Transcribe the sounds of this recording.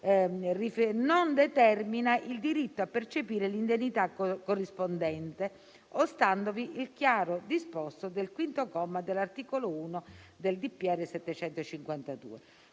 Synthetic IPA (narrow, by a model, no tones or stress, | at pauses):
rifenond̪et̪ɛrminaʔild̪iɾit̪ːoapːert͡ʃepiːɾelind̪enːit̪akkːorːispond̪ɛnt̪e | ost̪and̪oviʔilkjaːɾod̪ispɔst̪od̪elkwint̪okɔmːad̪elːart̪iːkolouːnod̪eld̪ipːiɛrːesɛt̪ːet͡ʃɛnt̪ot͡ʃiŋkwant̪ad̪ṵːe